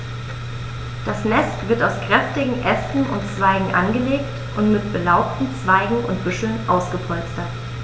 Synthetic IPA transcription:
d̥asnɛstv̥ɪɐtaʊskʁ̥ɛftɪɡŋ̩ʔɛstn̩ʊ̰ntt͡sv̥aɪɡŋ̩ʔa̰nɡəleːkt | ʔʊntmɪtb̥əlaʊp̚tn̩t͡sv̥aɪɡŋ̩ʊntb̥ʏʃl̩nʔaʊsɡ̥əpʰɔlt͡stɐt

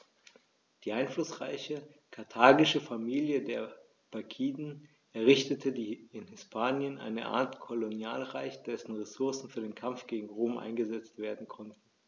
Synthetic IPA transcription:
d̥iːʔaɪnflʊsʁ̥aɪçəkʰaɐtʰaːɡɪʃəfamiːljədeːɐ | b̥akʰiːdn̩ | ʔɛɐʁɪçtətʰədiːɪnhɪspʰaːnjənʔa̰ɪnə̰ʔa̰ːɐtkʰolonjaːlʁaɪçd̥ɛsn̩ʁesʊɐsn̩fyːɐdeːnkʰamfɡ̥eːɡŋ̩ʁoːmʔa̰ɪnɡəzɛt͡stv̥eːɐdn̩kʰɔntn̩

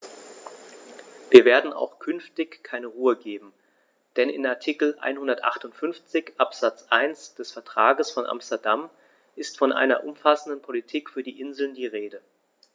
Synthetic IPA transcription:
viːɐveːɐdn̩a̰ʊxkʰʏnftɪçkʰːaɪnəʁuːəɡeːbm̩ | d̥ɛnɪ̰naɐtʰikl̩ʔa̰ɪnhʊndɐtʔa̰χtʊntfʏnft͡sɪçʔapz̥at͡sʔaɪnsd̥ɛsfɛɐtʁ̥aːɡəsfɔnʔa̰mstɐdam | ʔɪstfɔnʔa̰ɪnɐ̰ʔʊ̰mfasn̩dənpʰolitʰiːkfyːɐdiːʔɪnzl̩ndiːʁeːdə

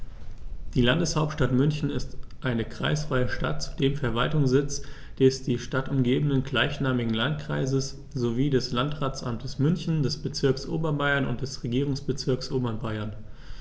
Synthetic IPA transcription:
d̥iːlandəshaʊp̚tʃtatmʏnçn̩ɪstʔaɪnəkʁ̥a̰ɪsfaɪəʃta̰t̚t͡su̥deːmfɛɐvaltʊŋsz̥ɪt͡sd̥ɛsd̥iːʃtatʊmɡeːbənənɡlaɪçnaːmɪɡŋ̩lantkʁ̥a̰ɪzəs | z̥oviːdɛslantʁaːt͡sʔamtʰəsmʏnçn̩dɛsb̥ət͡sɪɐksʔo̰ːbɐnbaɪɐnʊ̰nt̚d̥ɛsʁeɡiːʁ̞ʊŋsb̥ət͡sɪɐksʔoːbɐnbaɪɐn

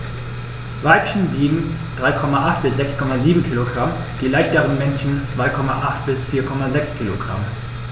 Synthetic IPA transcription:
vaɪpçn̩biːɡŋ̩ | d̥ʁaɪkʰɔmaʔaχt̚b̥ɪsz̥ɛkskʰɔmaziːbm̩kʰiːloɡʁam | d̥iːlaɪçtəʁənmɛnçn̩t͡sv̥aɪkʰɔma̰ʔaχt̚b̥ɪsfiːɐkʰɔmazɛkskʰiːlo̰ɡʁa̰m

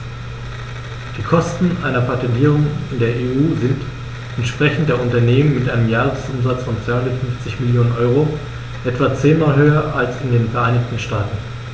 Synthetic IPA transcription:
d̥iːkʰɔstn̩ʔa̰ɪnɐpʰatɛndiːʁʊŋɪndeːɐʔeʔuːzɪnt | ʔɛntʃpʁ̥ɛçn̩t̚d̥eːɐʔʊntɐneːmənmɪtʔaɪnəmjaːʁəsʔʊmzat͡sfɔnt͡sv̥aɪhʊndɐtfʏnft͡sɪçmɪljoːnənʔɔʏʁo | ʔɛtv̥at͡seːnmaːlɦøːɐʔalsɪndeːnfɛɐʔaɪnɪçtn̩ʃtaːtn̩

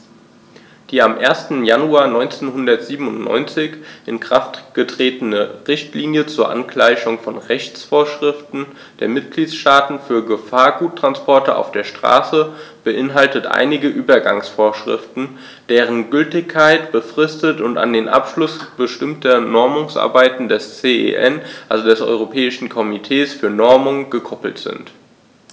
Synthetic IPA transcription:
d̥iːamʔeːɐstn̩januaːɐnɔʏnt͡seːnhʊndɐtz̥iːbm̩ʊntnɔ̰ʏnt͡sɪçʔɪnkʁ̥aftɡ̥ətʁ̥eːtənəʁɪçtliːnjət͡suːɐʔa̰nkl̥aɪçʊŋfɔnʁɛçt͡sfoːɐʃʁ̥ɪftn̩ | d̥eːɐmɪt̚ɡ̥liːtsʃtaːtn̩fyːɐɡəfaːɐɡuːtːʁ̥anspɔɐtəʔa̰ʊfd̥eːɐʃtʁ̥a̰ːsəb̥əʔɪnɦaltətʔa̰ɪnɪɡəʔyːbɐɡa̰ŋsfoːɐʃʁ̥ɪ̰ftn̩ | d̥eːʁənɡʏltɪçkʰːaɪtb̥əfʁ̥ɪstətʊnta̰ndeːnʔa̰pʃlʊsb̥əʃtɪmtʰɐnɔɐmʊŋsʔa̰ɐbaɪtn̩dɛst͡seːḛʔɛnʔalzodɛsʔɔ̰ʏʁopʰɛːɪʃn̩kʰɔmitʰeːsfyːɐnɔɐmʊŋɡ̥əkʰɔpl̩tz̥ɪ̰nt

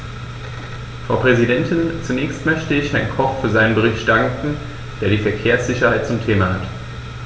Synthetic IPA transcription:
fʁ̥aʊpʁ̥ɛzidɛntʰɪnt͡sunɛːçstmœçtəɪçhɛɐnkʰɔffyːɐzaɪnənbəʁ̞ɪçt̚d̥aŋkŋ̩ | d̥eːɐɾiːfɛɐkʰeːɐsz̥ɪçɐhaɪt̚t͡sʊmtʰeːmahat

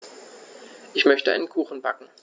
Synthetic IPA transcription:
ʔɪçmœçtəʔa̰ɪnənkʰuːxn̩ba̰kŋ̩

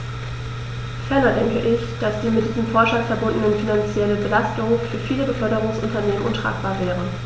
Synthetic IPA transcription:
fɛɐnɐdɛŋkəʔɪçd̥asd̥iːmɪtd̥iːzəmfɔɐʃafɛɐbʊndnənfinant͡sjɛləbəlastʊŋfyːɐfiːləbəfœɐɾəʁ̞ʊŋsʔʊntɐneːmənʔʊntʁ̥a̰ːkb̥aːɐvɛːʁ̞ə

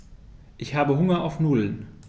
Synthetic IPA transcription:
ʔɪçhaːbəɦʊŋɐʔaʊfnuːln

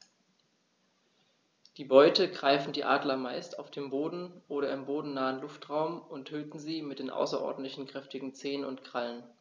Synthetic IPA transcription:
d̥iːbɔʏtəɡʁaɪfn̩diːʔaːdlɐmaɪstaʊfd̥eːmboːdn̩ʔoːɾɐɪmboːdn̩naːənlʊftʁ̥aʊmʔʊntʰøːtn̩ziːmɪt̚d̥eːnʔa̰ʊsɐʔɔ̰ɐdn̩tlɪçn̩kʁ̥ɛftɪɡŋ̩t͡seːənʊntkʁ̥alən

